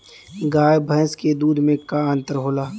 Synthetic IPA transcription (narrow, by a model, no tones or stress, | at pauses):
ɡaːjbʱəjsked̪uːd̪ʱmẽkaə̃ːnt̪əɾɦoːlaː